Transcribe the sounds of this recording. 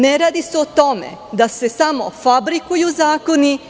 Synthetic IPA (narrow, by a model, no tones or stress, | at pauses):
neɾaːd̪iseot̪o̞mḛd̪ase̞samo̞̰fabɾikujuzaːko̞ni